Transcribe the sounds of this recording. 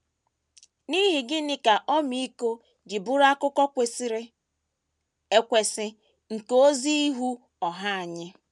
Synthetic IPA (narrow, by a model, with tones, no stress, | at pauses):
ni˦ɦi˨ɡɪ˦nɪ˦ka˨ʔɔ˦mi˦i˦ko˦ | d͡ʒɪ˨bʊ˦ɾa˦kʊ˦kɔ˦kʷe˨si˦ɾɪ˦ | e˦kʷe˨sɪ˦ | ŋ̩˨ko˦zi˦i˦ɦu˦ | ɔ˨ɦa˦a˨ɲɪ˦